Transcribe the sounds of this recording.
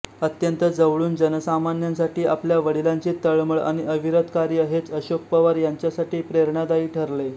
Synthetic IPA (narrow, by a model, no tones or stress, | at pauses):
ət̪jənt̪əd͡zəʋɭuːnd͡ʑənəsamanjans̬aʈiːapljaʋəɽilaɲt͡ɕiːt̪əɭməɭa̰ɽ̃iʔəʋiɾət̪kaɾjəɦet͡səɕok̚pəʋaɾjaɲt͡ɕjasaʈiːpɾeɾɳad̪aiːʈʰəɾle